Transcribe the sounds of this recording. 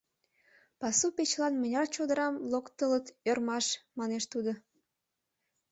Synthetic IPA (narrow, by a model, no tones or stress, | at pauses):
pɑsupet͡ɕlɑnmə̆nʲɑrt͡ɕod̪əɾɑmlokt̪ələt̪ørmɑʃmɑneʃt̪ud̪o